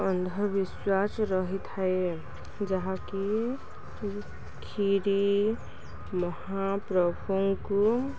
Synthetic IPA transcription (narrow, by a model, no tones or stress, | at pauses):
ənd̪ʱəɾbiswasɾəɦit̪ʰae | d͡ʒaɦãki | kʰiɾi | məhapɾəbʱoŋko